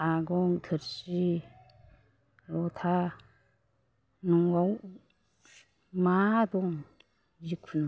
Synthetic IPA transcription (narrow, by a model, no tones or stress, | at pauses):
aɡɔŋkʰɯɾsi | lɔt̪ʰa | nuŋwaw | mad̪ɔŋ | jikʰun